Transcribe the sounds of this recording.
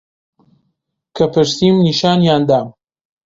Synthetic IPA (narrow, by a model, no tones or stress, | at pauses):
kʰɐpɨɾsiːmniʃaːnjaːnd̪aːm